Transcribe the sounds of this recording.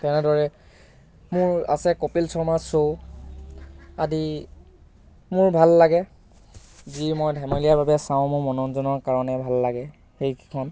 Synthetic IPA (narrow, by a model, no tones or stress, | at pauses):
tɛnɛdɔɹɛ | mʊɹa̰sɛkopilsɔɹmaso | adi | mʊɹbʱalːaɡɛ | zimɔjdʱamɔlijaɹbʱabɛsãʊ̃mʊɹmɔnɔnzɔnɔɹkaɹɔnɛbʱalːaɡɛ | xejki̥kʰɔn